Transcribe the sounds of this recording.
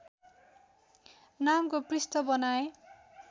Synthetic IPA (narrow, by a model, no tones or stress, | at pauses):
namkoprist̪ʌbʌnae